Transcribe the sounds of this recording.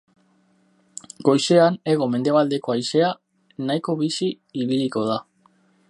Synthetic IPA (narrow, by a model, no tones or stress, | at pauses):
ɡo̞jse̞ane̞ɣ̞o̞me̞nd̪e̞β̞ald̪e̞ko̞ajse̞a | najko̞βisi | iβiliko̞ð̞a